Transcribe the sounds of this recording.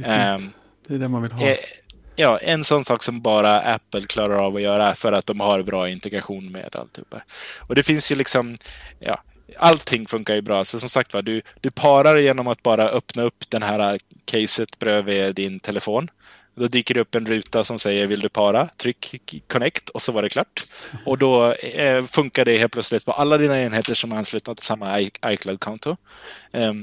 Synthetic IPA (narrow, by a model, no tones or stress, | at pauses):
d̪̥ɛdɛmanvɪlɦɛjɑːʔɛnsɔnːsɑːksɔmbɑːɾaʔæ̰pːəlkʰlɑːɾaɾavɔjœːɾafœɾat̪̚d̪ɔmhaɾbɾɑːɪnt̪ɛɡɾaɧuːnmḛːd̪a̰lt̪hʉ̰pːa̰ɔd̪ɛfɪnsjɵlɪksɔmjɑ̰ː | alt̪ʰːɪŋːfɵŋkaɾjɵbɾɑːsɔsɔmsak̚t̪vad̪ɵd̪̥ɵpʰɑːɾaɾjeːnɔmat̪̚bɑːɾaʔœpnaɵpːd̪ɛnɦæːɾa | kʰɛjsət̪bɾøːvɛd̪ɪnt̪ʰɛlɛfoːn | d̪ɔd̪yːkəɖɵɵpːɛnɾʉ̟ːt̪asɔmsɛjːəɾvɪld̪ɵpʰɑːɾat̪ʰɾʏkːkʰːɔnɛkt̪ʰɔsɔvaɖɛkʰlɑːʈːɔd̪ɔ | fɵŋkaɖɛheːlplœt̪slɪt̪pʰɔʔalːad̪iːnaeːnheːt̪əʂɔmaɾanslʉ̟ːt̪ad̪ʰsamːaʔajkʰlad̪̚kʰɔnt̪ʊ